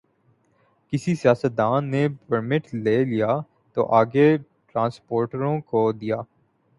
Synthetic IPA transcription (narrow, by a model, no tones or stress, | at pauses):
kɪsisijaːsət̪̚d̪ãːnːepəɾmɪʈleːlija | t̪o̰ʔaːɡe | ʈɾãːnspoːɾʈəɾõkod̪ijaː